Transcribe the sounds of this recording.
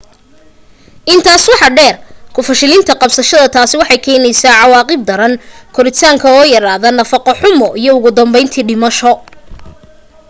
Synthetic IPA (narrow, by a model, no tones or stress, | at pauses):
ʔɪnt̪ʰaːswɑħɑɖɛːrkʰʊfɐʃɪlɪnt̪ʰɐqɑbsɐʃɐðɐt̪ʰaːsɪwɑħɑjkʰɛːjnɛjsaːʕɑwɑːqɪb̚d̪ɐɾɐnkʰɔɾɪt̪ʰaːŋkʰɐɔːjɐɾaːðɐnɐfɑqɔħʊmɔʔijɔʊɣʊd̪ɐmbɛjnt̪ʰiːɖɪmɐʃɔ